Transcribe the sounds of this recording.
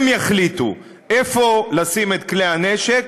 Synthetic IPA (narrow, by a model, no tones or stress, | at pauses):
mjaχlit̪ṵ | ʔefo̞lasimet̪kleaneʃek